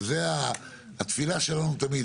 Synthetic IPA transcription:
zeaː | t̪filaʃelanut̪amid̪

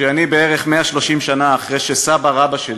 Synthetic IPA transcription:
eanibeeʁe̞χmeaʃloʃimʃanaːχʁejʃesabaʁabaʃe

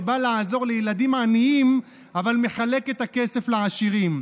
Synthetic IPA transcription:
balaːzo̞ʁlejelad̪imaːniim | avalme̞χale̞ket̪ake̞se̞fleaʃiʁim

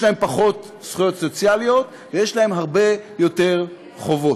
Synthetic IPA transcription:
jlahe̞mpaχo̞t̪ | sχujo̞t̪so̞t͡sjalijo̞t̪ | vejeʃlahe̞mɦaʁbe̞jo̞te̞ʁ | χo̞vo̞t

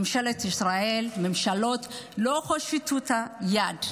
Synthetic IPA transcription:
mʃalet̪isɾaelmemʃalot̪loxoʃit̪ut̪ajad

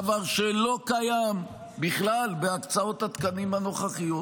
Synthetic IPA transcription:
vaʁʃelo̞kajam | biχlalbeakt͡sao̞t̪at̪kanimhano̞χaχijo

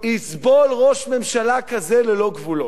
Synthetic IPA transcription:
isbolʁoʃmemʃalakazelelo̞ɡvulo

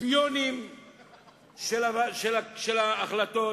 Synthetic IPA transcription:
pijonim | ʃelaaʃelaʃelaːχlat̪o

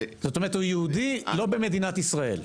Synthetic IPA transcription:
zot̪omeʁet̪ujeud̪ilo̞be̞me̞d̪inat̪isʁae̞̰l

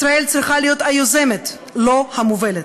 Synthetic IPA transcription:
sɾaelt͡sɾiχalijo̞t̪ajoze̞met̪ | lo̞hamovelet̪

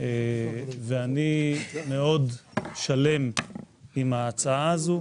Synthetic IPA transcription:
eveanime̞o̞dʃale̞m | imaːt͡saazu

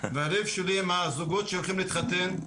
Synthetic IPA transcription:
vɪaɾɛfʃɛliɪmazʊɡɔtʃɛʊlˠχimlit̪χat̪ɛn

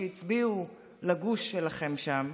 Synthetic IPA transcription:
jit͡sbiu | laɡuʃːelaχe̞mʃam

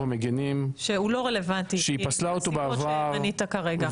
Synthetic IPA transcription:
emeɡenimʃeulo̞ʁele̞vant̪iʃeipaslaot̪obeavaʁanit̪akaʁe̞ɡa

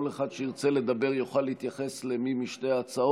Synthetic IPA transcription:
oleχad̪ʃeiʁt͡sele̞d̪abe̞ʁjoχalːehit̪jaχeslemimiʃtejat͡sao

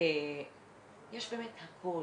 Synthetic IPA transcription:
e | jɛʃbemethakʰo

